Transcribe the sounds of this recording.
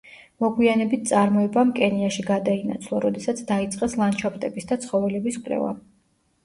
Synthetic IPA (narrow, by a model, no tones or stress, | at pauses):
mɔɡwianɛbit̪̚ʰt̪sʼaɾmɔɛbamkʼɛniaʃiɡad̪ainat̪sʰlˠɔɾɔd̪ɛsat̪sʰd̪ait̪sʼqʼɛslˠant͡ʃʰapʼt̪ʼɛbisd̪at̪sʰχɔvɛlɛbiskʼɾɛ̰va̰